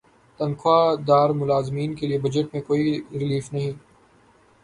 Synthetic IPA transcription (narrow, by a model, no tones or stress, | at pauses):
t̪ɐnkʰoaːd̪aːɾmʊlaːzmiːnkeliebɐd͡ʒəʈ̚mẽkoːiɾɪliːfnɐɦĩː